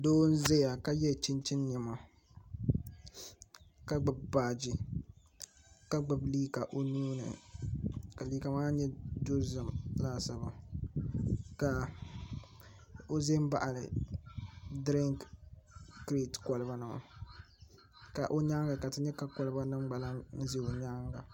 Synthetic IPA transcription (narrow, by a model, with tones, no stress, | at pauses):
doː˦n̩˦zɛ˦ja˨ka˦jɛ˦˨t͡ʃi˦nt͡ʃɪ˦n˦ɲɛ˨ma˨ | ka˦ɡ͡bɨ˨bbaː˨d͡ʒi˦ | ka˦ɡ͡bɨ˨bliː˦ka˨ʔo˨nuː˦nɨ̰˨ | ka˨liː˦ka˨maː˦ɲɛ˦du˦ɾzɨ˨mlaː˦˨sa˨ba˨ | ka˨ | o˦ze˦m˦ba̰˨ʔa˨lɨ̰˨ | dɾɪ˦ŋk | kɾe˦tkɔ˨lɨ˦ba˦nɨ˨ma̰˨ | ka˨ʔo˦ɲa˦ŋɡa˨ka˨tɨ˦ɲɛ˦ka˦kɔ˨˦lɨ˦ba˦nɨ˦mɡ͡ba˨la˦n̩˦zi˦o˨ɲa˦ŋɡa˨